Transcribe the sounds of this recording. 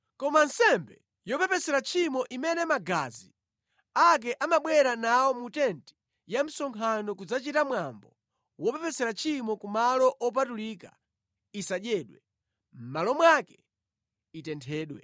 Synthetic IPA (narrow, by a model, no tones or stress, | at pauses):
kɔmansɛmbɛ | jɔpɛpɛsɛɾat͡ʃʰimɔʔimɛnɛmaɡazi | ak̬ɛʔamaɓwɛɾanaɔmutɛnti̥ | jam̩sɔŋkʰanɔk̬ud͡zat͡ʃitamwambɔ | wɔpɛpɛsɛɾat͡ʃʰimɔkumalɔʔɔp̬atuliːka | isaɗɛːɗwɛ | m̩malɔmwakɛ | itɛntʰɛːɗwɛ̰